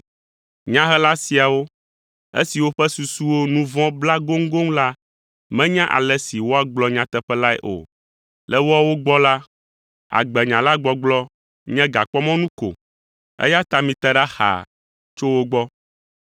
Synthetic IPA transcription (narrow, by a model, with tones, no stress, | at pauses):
ɲã˦ɦɛ˦la˦si˨a˨wo˦ | ḛ˦si˨wo˦ɸɛ˦su˨su˦wo˦nũ˦vɔ̃˦bla˦ɡo˦ŋ̩˦ɡo˦ŋ˦la˦ | mɛ̃˦ɲã˦ʔa̰˨lɛ˦si˨wo˦a˦ɡ͡blɔ˨˦ɲã˦t̪ɛ˦ɸɛ˦la˦ɛ̰˦˨ʔo̰˨ | lɛ˦wo˦a˦wo˦ɡ͡bɔ˦la˦ | a̰˨ɡ͡bɛ˨ɲã˨la˦ɡ͡bɔ˦ɡ͡blɔ˦ | ɲɛ̃˦ɡa˨k͡pɔ˦mɔ̃˦nũ˦ko̰˨ | ɛ̰˦ja˦t̪a˨mĩ˨t̪ɛ˦ɖa˦xa̰˨ | t͡ʃo˦wo˦ɡ͡bɔ˦